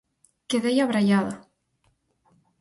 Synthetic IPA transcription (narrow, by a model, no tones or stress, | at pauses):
keðejaβɾaʎaða